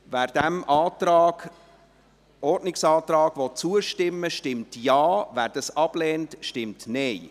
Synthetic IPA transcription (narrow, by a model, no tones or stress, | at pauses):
væːɾd̥æmʔɑːtɾɑːɡ̥ | ɔɾdnɪksɑːtɾɑːɡ̥vɔt͡suəʃtɪmːəʃtɪmtjɑːvæːɾd̥ɑsɑb̥lɛːntʃtɪmtnɛɪ